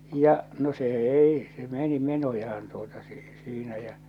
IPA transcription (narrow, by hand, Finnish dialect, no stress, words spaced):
jɑ̟ no se ei se meni menojɑhɑn tuotɑ si siːnæ jæ̠